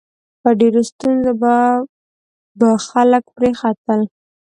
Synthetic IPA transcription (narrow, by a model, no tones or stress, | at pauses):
pəɖeɾost̪unzoba | baxaləkpɾexat̪əl